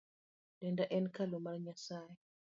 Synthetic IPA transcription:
d̥ɛndaʔɛnkalumaɾɲasaːjɛ

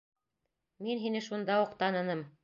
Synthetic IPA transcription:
minɦinɘʃund̪ɑuqt̪ɑnɤ̆nɤm

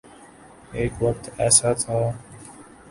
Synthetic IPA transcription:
eːkʋək̚t̪ɛːsat̪ʰaː

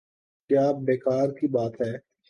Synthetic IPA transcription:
kjaːbeːkaːɾkibaːt̪ɦɛː

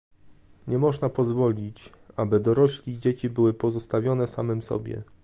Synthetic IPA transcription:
ɲɛmɔʐnapɔzvɔlʲit͡ɕ | abɘd̪ɔɾɔɕlʲid͡ʑet͡ɕibɘwɘpɔzɔst̪avʲjɔnɛsamɘmsɔ̰bʲjɛ̰

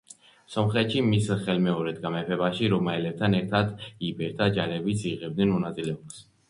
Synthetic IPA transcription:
sɔmχɛt̪ʃimisχɛlmɛɔɾɛd̪ɡamɛpʰɛbaʃiɾɔmaɛlɛb̚t̪ʰanɛɾt̪ʰad̪ibɛɾt̪ʰad͡ʒaɾɛbit̪sʰiʁɛb̚d̪nɛnmɔnat̪sʼilɛɔms

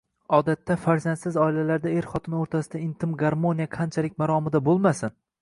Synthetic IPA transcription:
ɒd̪at̪ːafaɾzand̪sɪzɒɪlalaɾd̪aeɾχɒt̪ʰɪnoɾt̪ʰasɪd̪aɪnt̪ʰɪmɡaɾmonijaqʰant͡ʃʰalɪk̚ʲmaɾɒmɪd̪abolˠmasɪn

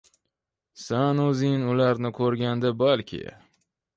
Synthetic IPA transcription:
sanɵzɪŋnʊlaɾnɪkʰɵɾɡʲand̪ɪbalkʲʰɪ̰

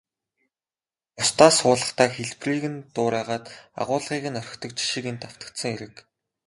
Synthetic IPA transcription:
ʊst̪aːsʊːɮə̆χt̪ʰaːxeɮpriːɣɘ̆nt̪ʊːɾæːʁaːt̪a̰ʁʊːɮʁiːɣɘ̆nœɾ̆ʲxt̪ʰɞ̆k̚t͡ɕi̥ʃĭkent̪aw̥t̪ə̥̆kt̪sə̆ŋeɾɘ̆k

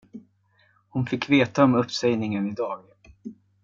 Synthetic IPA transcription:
hʊnfɪkːveːt̪aɔmɵpːsɛjnɪŋənɪd̪ɑːɡ

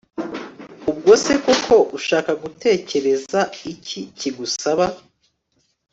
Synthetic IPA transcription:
ub̚ɡo̞seko̞kʰo̞ʔuʃaːkaɡutʰe̞ːce̞ɾe̞zaiciciɡusaβa

